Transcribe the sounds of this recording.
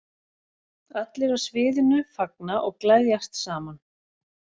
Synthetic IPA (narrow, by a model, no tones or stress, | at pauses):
at̪lɪɾasvɪːðɪnʏfak̚naʔɔɣklajðjast̪saːman